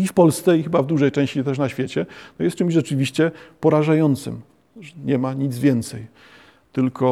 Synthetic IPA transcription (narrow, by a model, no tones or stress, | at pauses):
ifpɔlst̪sɛixɘbavd̪uʐɛjt͡ʂɛ̃ɕt͡ɕit̪ɛʂ̬naɕfʲjet͡ɕɛnɔjɛst̪̚t͡ʂɘmʑʐɛt͡ʂɘvʲiɕt͡ɕɛpɔɾaʐajɔnt̪sɘ̰m | ʐɛɲɛmaɲid̪zvʲjɛnt̪sɛj | t̪ɘlkɔ